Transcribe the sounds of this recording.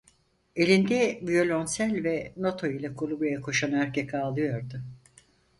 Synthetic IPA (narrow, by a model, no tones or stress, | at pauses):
e̞lʲind̪ɛvijo̞lʲo̞nsælʲvɛno̞t̪ʰo̞ilʲˠakʰolˠubɾajakʰo̞ʃanæɾcʰekʰaːlˠɯjo̞ɾd̪ʊ